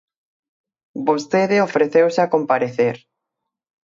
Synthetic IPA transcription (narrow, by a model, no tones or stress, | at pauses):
bost̪eðɪofɾeθewsɪakompaɾeθeɾ